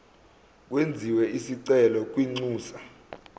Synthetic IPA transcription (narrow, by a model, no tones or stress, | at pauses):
k̬wend͡zʱiwɛisiǀɛlɔk̬ʼwiŋ͡ǀuːsa